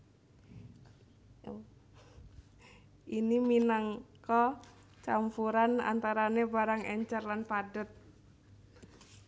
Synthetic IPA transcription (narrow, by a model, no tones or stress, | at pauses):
ʔiniminaŋkɔ | t͡ʃampuɾana̰nt̪aɾanebaɾaŋɛɲt͡ʃərlanpadət̪̚